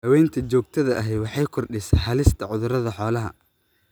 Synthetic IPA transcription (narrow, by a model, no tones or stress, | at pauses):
hɐwɛjnt̪ʰɐt͡ʃɔːɡ̚t̪ʰɐðɐʔɐɦɛjwɑħɑjkʰɔrɖɪsɦɐlɪst̪ʰɐʕʊðʊɾɐðɐħɔːlɐɦɐ̰